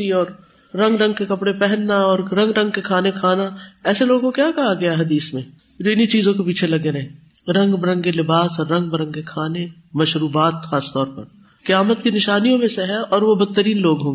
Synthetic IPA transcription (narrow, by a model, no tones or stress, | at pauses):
iɔːɾː | ɐ̃ŋɡɾɐ̃ŋɡkekɐpɽepɛɦɛnːaɔːɾɾɐ̃ŋɡɾɐ̃ŋɡ̚kekʰaːnekʰaːnaɛːseloːɡkokjaːkɐɦaɡɐjaɦɐd̪iːsmẽ | d͡ʒoːɪnit͡ʃiːzõkepiːt͡ʃʰelɐɡeɾɐɦẽ | ɾɐ̃ŋɡbɐɾɐ̃ŋɡkelɪbaːsɔːɾːɐ̃ŋɡ̚bɐɾə̃ŋɡkekʰaːne | mɐʃɾuːbaːt̪xaːst̪ɔːɾpɐ̰ɾ | kɪjaːmət̪kinɪʃaːnijõmẽseɦɛɔːɾʋobɐd̪̚t̪ːəɾiːnloːɡɦõːŋɡee